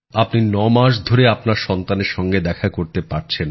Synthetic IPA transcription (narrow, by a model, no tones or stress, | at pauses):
apninɔmaʃ̬d̪ʱoɾeapnaɾʃɔnt̪aneɾʃɔŋɡed̪ɛkʰakoɾt̪epaɾt͡ɕʰen